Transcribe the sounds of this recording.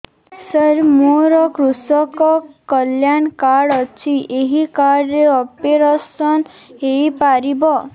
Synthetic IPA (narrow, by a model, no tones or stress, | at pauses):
səɾmoɾɔkɾusɔkɔkɔljankaɽɔt͡ʃʰiʔeɦikaɽɾeɔpeɾasɔn | ejpaɾibɔ